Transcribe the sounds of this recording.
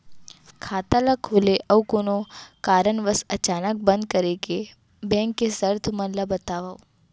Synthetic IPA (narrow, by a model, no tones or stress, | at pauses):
kʰaːt̪alakʰʊleʔɐʋkoːnokaːɾənʋəsɐt͡ʃaːnək̚bə̃nd̪̚kəɾeke | bɛ̃ːŋkːesəɾt̪ʰmɐnləbɐt̪aːʋau